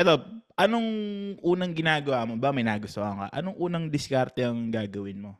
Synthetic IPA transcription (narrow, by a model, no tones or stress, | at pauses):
ʔɛt̪op̚ʔɐnoŋʔuːnɐŋɡɪnaːɡɐwaːmobakmɐjnaːɡʊst̪ohaːŋkɐ̰ʔɐ̰noŋʔuːnɐŋd̪ɪskaɾt̪ɛɐŋɡaːɡɐwɪnmo